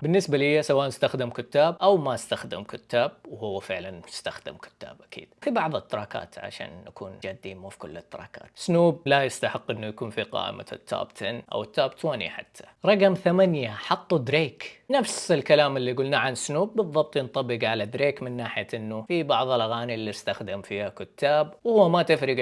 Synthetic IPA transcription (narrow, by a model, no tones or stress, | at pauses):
bɪnːɪsbalɪjːasawaʔnɪst̪axd̪ɪmkʊt̪ːaːb̚ʔawmaɪst̪axd̪ɪmkʊt̪ːaːb̚whʊwːafɪʕlanjɪst̪axd̪ɪ̰mkʊ̥t̪ːa̰ːbʔakʰḭːd̪fibɑʕðˤɨt̪ːɪɾˤɑːka̰ːt̪ʰʕa̰ʃa̰ːnːakuːnd͡ʒad̪ːiːmufikʊ̰lːɪt̪ːɑɾˤɑ̰ːka̰ːt̪snuːb̚lajɪst̪aħɪqːʔɪnːujakuːnfiqɑ̰ːʔɪ̰ma̰t̪ʰːa̰ːbt̪ʰanʔa̰wɪt̪ːaːbt̪ʰoːnḭħa̰t̪ʰːḁɾˤɑɡmθamanjaħɑt̪ˤːud̪ɾeːknafsɪlkalaːmɪlːiɡʊlnaʕanɪsnuːbːɨðˤːɑb̚t̪ˤjɪnt̪ˤɑbːɪɡʕalad̪ɾeːkmɪnːaːħɪjaʔɪnːufibɑʕðˤɪlʔaɣaːnilːiɪst̪axd̪ɪmfiːhakʊt̪ʰːaːb̚whʊwːamat̪ɪfɾɪɡ